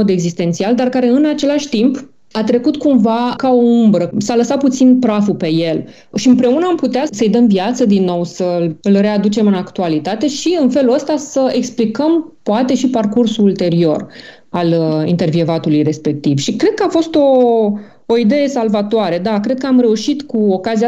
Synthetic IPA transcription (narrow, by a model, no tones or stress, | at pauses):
od̪e̞ɡzist̪e̞nt̪siald̪arkaɾe̞ɨnat͡ʃe̞laʃʲt̪imp | at̪ɾe̞kut̪kumvakao̞umbɾəsaləsat̪̚put̪sinpɾafupe̞je̞l | ʃiɨmpɾe̞unəamput̪easəɨjd̪əmviat̪səd̪inːo̞wsəlɨlre̞ad̪ut͡ʃe̞mɨnakt̪ualit̪at̪e̞ʃiɨnfe̞luləst̪asəe̞ksplikəmpoat̪e̞ʃiparkursuult̪e̞ɾio̞̰r | alḭnt̪e̞rvievat̪ulujre̞spe̞k̚t̪ivʃikɾe̞d̪̚kəafo̞st̪o̞ | oid̪e̞je̞salvat̪oaɾe̞d̪akɾe̞d̪̚kəamɾe̞uʃit̪kuokazia